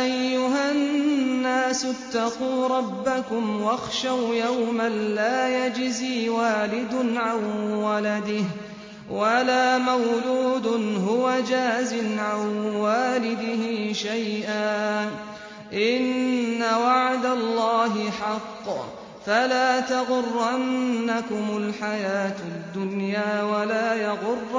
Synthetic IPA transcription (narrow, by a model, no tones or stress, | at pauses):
ʔajːʊɦanːaːsʊt̪ːɑquːɾˤɑbːakʊmwɑxʃawjawmanlaːjad͡ʒziːwaːlɪd̪nʕanwalad̪ɪh | walaːmawluːd̪ʊnɦʊwad͡ʒaːzɪnʕanwaːlɪd̪ɪhɪʃajʔaː | ʔɪnːawaʕd̪alˤːaːɦɪħɑqː | falaːt̪ɑɣʊrˤːanːakʊmʊlħajaːt̪d̪ːʊnjaːwalaːjaɣʊrː